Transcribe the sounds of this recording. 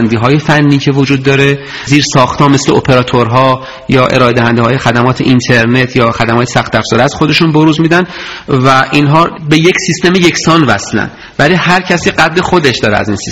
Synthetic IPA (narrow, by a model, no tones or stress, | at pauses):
nd̪iːɦɒːjefænːiːcʰe̞vod͡ʒuːd̪ːɒːɾe | ziːɾsɒːxt̪hɒːme̞sleopʰe̞ɾɒːt̪ʰoɾɦɒː | jɒːʔe̞̰ɾɒːe̞d̪æɦænd̪eɒːje̞xæd̪æmɒːt̪ʰeʔint̪ʰe̞ɾnet̪ʰjɒːxæd̪æmɒːjesæxt̪æfz̥ɒːɾiæz̥xod̪e̞ʃunboɾuːzmiːd̪æn | væʔinɦɒːbe̞jecsist̪e̞meje̞cʰsɒːnvæslæ̰nd̪ | væliːhæɾcʰæsiɢæd̪le̞xo̞d̪eʃd̪ɒːɾeæ̰zinsi